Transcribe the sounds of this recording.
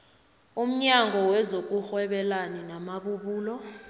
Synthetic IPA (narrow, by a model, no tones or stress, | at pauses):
um̩ɲaŋʱɔwɛzok̬ʼuxwɛɓɛlaninamaɓuɓuːlɔ